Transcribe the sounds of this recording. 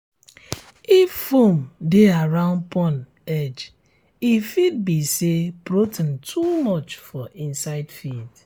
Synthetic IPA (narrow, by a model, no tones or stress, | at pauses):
iffomdeaɹãʊ̃npʰɔn | ɛd͡ʒ | ifid̚bisepɾotn̩tʰumɔt͡ʃfɔĩnsaɪdfid